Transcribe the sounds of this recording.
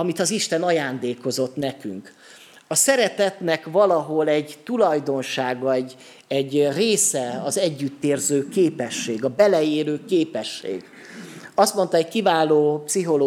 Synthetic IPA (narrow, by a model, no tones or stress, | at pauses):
ɒmit̪ɒziʃt̪ɛnɒjaːnd̪eːko̞zo̞t̪nɛky̰ŋk | ɒsɛɾɛt̪ɛt̪nɛkvɒlɒɦo̞lɛɟt̪ulɒjd̪o̞nʃaːɡɒɛɟ | ɛɟːreːsɛɒzɛɟːyt̪ːeːrzøːkeːpɛʃːeːɡɒbɛlɛeːløːkeːpɛʃːḛːɡ | ɒst̪mo̞nt̪ɒɛckivaːloːpsiɦo̞lo